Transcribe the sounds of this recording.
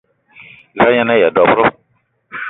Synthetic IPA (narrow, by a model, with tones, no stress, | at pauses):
za˦ɲã˦nã˦jɛ˨dɔ˨fɾʊ˦